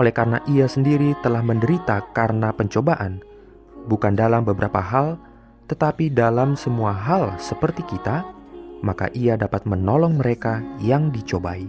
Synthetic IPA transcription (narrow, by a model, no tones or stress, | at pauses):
ʔolɛhkaɾənaʔiasəndiɾit̪əlahməndəɾit̪akarənapəɲt͡ʃobaʔan | bukandalambəbəɾapa̰ɦal | t̪ət̪apidalamsəmuaɦalsəpərt̪ikit̪amaka̰ʔiadapat̪̚mənolɔŋməɾekajaŋdit͡ʃobai